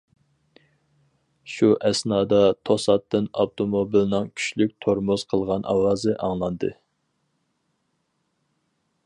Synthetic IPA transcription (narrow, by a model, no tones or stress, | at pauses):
ʃuʔɛsnɑːd̪ɑt̪ʰosɑt̪ːɨnɑpt̪ʰomobilnɨŋkʲʰy̥ʃlykʲt̪ʰoɾmʊz̥qʰəlˠʁɑnʔɑ̰wɑːzɨʔɑŋlˠɑnd̪ɨ̰